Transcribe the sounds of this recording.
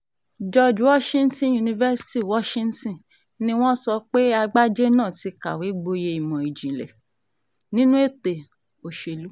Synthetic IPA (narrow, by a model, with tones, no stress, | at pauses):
d͡ʒɔ˧˨d͡ʒu˨˦wɔ˦ʃĩ˦n̩˦tĩ˦ju˧nĩ˧vɛ˦si̥˦ti˦wɔ˦ʃĩ˦n̩˦tĩ˦˨ | nĩ˦w̃ɔ̃˦sɔ˧k͡pe˦a˧ɡ͡ba˦d͡ʒe˦nãː˦˨ti˧ka̰˨we˨˦ɡ͡bo˧je˧i˨mɔ̃˨i˨d͡ʒĩ˨lɛ̰˨ | nĩ˦nũ˦e˦˨te˨ | o˨ʃe˧lu˨˦